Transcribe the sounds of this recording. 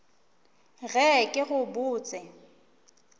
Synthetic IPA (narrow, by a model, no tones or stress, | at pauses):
ɣɛkʼɪɣʊbuːt͡sʼɪ